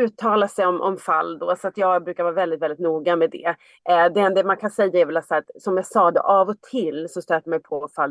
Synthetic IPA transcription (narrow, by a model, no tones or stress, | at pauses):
ʉ̟ːt̪ʰːɑːlasɛjɔmʔɔ̰mfalːd̪osɔat̪jɑːɡbɾʉkaɾvɑːɾvɛld̪ɪt̪vɛlɪt̪nuːɡamɛd̪ɛ̰ | d̪ɛɛnd̪ɛmankʰansɛjːaɛɾvɛlat̪saɾt̪sɔmjɑsɑːd̪ɛ̰ʔavɔt̪ʰɪlːsɔst̪øːt̪əmɛjpʰɔɔfalː